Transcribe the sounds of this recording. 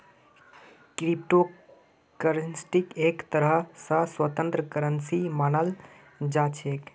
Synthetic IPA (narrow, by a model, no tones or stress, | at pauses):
kɾip̚ʈo | kəɾənsʈikekt̪əɾəɦsəswət̪ə̃nt̪ɾəkəɾənsimanəl | d͡ʒat͡ʃʰek